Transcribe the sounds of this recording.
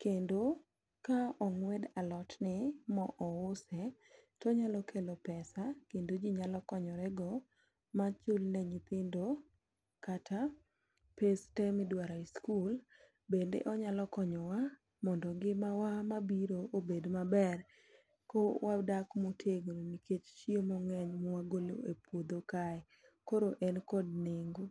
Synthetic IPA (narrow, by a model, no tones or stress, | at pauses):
kendo | kaɔŋwɛdalɔtnɪmɔʔɔʊsɛ | tɔɲalɔkʰelopɛsakendod͡ʒiɲalɔkɔɲɔɾɛɡɔ | mat͡ʃʊlnɛɲɪt̪ɪndo | katʰa | pestɛmɪdwaɾaiskul | bendḛʔɔɲalɔkɔɲɔwa | mɔndɔŋɡɪmawamabiɾoobedmabɛr | kɔwʔadakmotʰeɡɾoniket͡ʃt͡ʃiemɔŋɛɲmɔwaɡolo̰epwod̪okaɛ | koɾoʔɛnkɔdneŋɡo